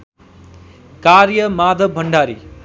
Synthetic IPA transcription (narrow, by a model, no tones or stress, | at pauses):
kaɾjʌmad̪ʱʌbbʱʌɳɖaɾḭ